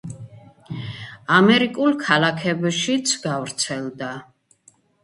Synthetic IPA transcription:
amɛɾikʼulˠkʰalakʰɛbʃit̪sʰɡavɾt̪sʰɛlˠd̪a

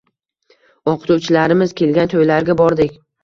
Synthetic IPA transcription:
ɒqʰɨ̥t̪ʰuwt͡ʃʰɪlaɾɪmɪz̥kʲʰe̞lɡʲant̪ʰojlaɾɡʲabɒɾd̪ɪkʲ

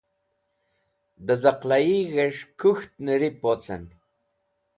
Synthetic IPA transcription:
d̪əzaqlajiɣeʂkʰuxt̪̚nəɾipot͡sə̰n

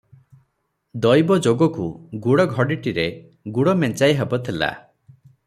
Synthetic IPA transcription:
d̪ɔjbɔd͡ʒoɡɔkuɡuɽɔɡʱɔɽiʈiɾe | ɡuɽɔment͡ʃajɦebɔt̪ʰila̰

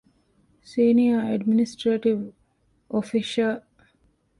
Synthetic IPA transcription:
siːniɐeɖminisʈɾeʈiʋ | ʔofiʃɐl

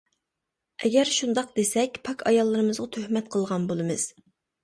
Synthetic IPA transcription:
ʔɛɡʲɛɾʃund̪ɑq̚d̪esɛkʲpʰɑkʰɑjɑlˠːɨɾɨmɨzʁɑt̪ʰøhmɛt̪̚qʰəlˠʁɑnbolˠɨmɨz̥

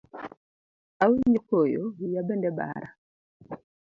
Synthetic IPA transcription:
awiɲokojowijabɛndɛba̰ɾa

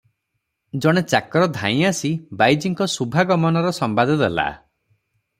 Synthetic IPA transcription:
d͡ʒɔɽ̃et͡ʃakɔɾɔd̪ʱã̰j̃asibajd͡ʒiŋkɔsubʱaɡɔmɔnɔɾɔsɔmbad̪ʱɔd̪ela̰

